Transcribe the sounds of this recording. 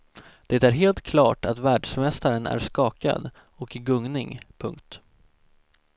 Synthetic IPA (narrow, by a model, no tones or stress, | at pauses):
d̪̥ɛt̪æɾɦeːlt̪kʰlɑːʈat̪væːɖʂmɛst̪aɾənæ̰ɾʂkɑːka̰d̪ | ɔkɪɡɵŋnɪŋpʰɵ̰ŋk̚t̪